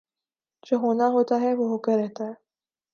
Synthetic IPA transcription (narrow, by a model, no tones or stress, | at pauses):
d͡ʒoːɦoːnaɦoːt̪aɦɛʋoɦoːkeɾɛɦt̪aɦɛː